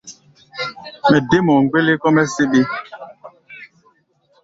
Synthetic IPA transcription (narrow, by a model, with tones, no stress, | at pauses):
mɛ˨de˦mɔ˨ŋ˨ɡ͡be˦le˦kɔ˦mɛ˦se˦ɓe˦